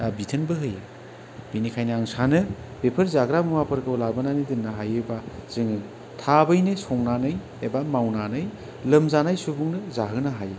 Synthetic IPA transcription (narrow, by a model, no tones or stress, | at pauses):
abitʰɯnbɯɦɯje | b̥inikʰajnɯaŋsanɯb̥epʰɐɾzaɡɾamumapʰɯɾkɯwlabananɯdɯnːaɦajɯbaz̥ɯŋɯ | tʰabɯjnɯsɔŋnanɯj | ebamawnanɯj | lɯmzanajsubuŋnɯzaɦɯnaɦaje